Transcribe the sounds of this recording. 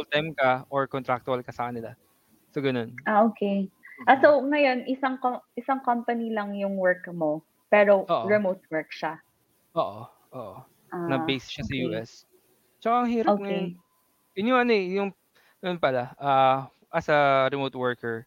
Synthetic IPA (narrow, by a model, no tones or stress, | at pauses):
olt̪ajmkɐʔoɹkɔnt̪ɾak̚t̪ʊɐlkɐsɐkɐnɪla̰ | soɡɐno̞nʔaʔoːkʰejʔɐsowŋɐjo̞nʔɪsaŋkoʔɪsaŋkɐmpɐnilɐŋjʊŋwɛɹkmo | pɛːɾooːʔɾɛmot̪̚wɛɹkʃa | ʔoːʔo | ʔoːʔo | ʔanɐbejsʃɐsɐjuːʔɛs | t͡ʃɐkaʔɐŋɦiːɾɐoŋɐjon | jʊnjʊŋʔɐnoɛjʊŋ | nonpɐlaʔaː | ʔɐsɐɾɛmoːt̪wɛɹkɛɹ